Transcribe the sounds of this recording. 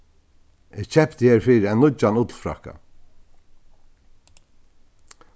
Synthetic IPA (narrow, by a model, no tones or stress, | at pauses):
ɪɡt͡ʃʰɛpt̪əheːɾfiːɾanʊt͡ʃːanʊt̪l̩fɾa̰hka̰